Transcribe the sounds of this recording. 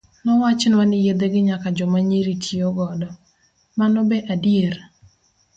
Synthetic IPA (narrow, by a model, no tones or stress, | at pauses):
nɔwat͡ʃɪnwanɪjed̪eɡɪɲakad͡ʒɔmaɲeɾitʰioɡɔdɔ | manɔbɛʔadjer